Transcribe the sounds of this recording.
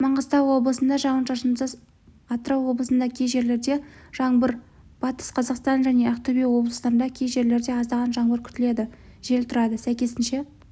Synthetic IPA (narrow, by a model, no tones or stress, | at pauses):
mɑɴʁəst̪ɑwwo̞blˠəsənd̪ɑʒɑwənʃɑʃənsəz | ɑt̪ɾɑwwo̞blˠəsənd̪ɑkʲʰejʒe̞ɾle̞ɾd̪e̞ʒ̥ɑɴbəɾ | b̥ɑt̪ə̥sqʰɑzɑqst̪ɑnʒæne̞ʔɑqt̪ubijwo̞blˠəslɑɾənd̪ɑkʲʰejʒe̞ɾle̞ɾd̪e̞ɑzɑʁɑnʒɑɴbəɾkʲʰʏ̥t̪ɪle̞d̪ɪ | ʒ̥e̞lt̪ʰʊɾɑd̪əsæjkʲesɪnʃe̞